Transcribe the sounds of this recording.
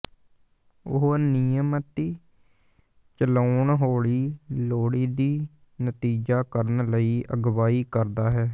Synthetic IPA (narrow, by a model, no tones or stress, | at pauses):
ʊ̰ɦnijəmt̪ːiː | t͡ʃəlaːɳɦoːɭiːloːɽiːd̪iː | nət̪iːd͡ʒaːkəɾənləiːʔəɡʋaːiːkəɾd̪aːɦɛː